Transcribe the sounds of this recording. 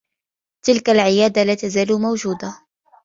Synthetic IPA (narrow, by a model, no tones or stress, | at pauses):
t̪ɪlkalʕɪjaːd̪alaːt̪azaːlʊmawd͡ʒuːd̪a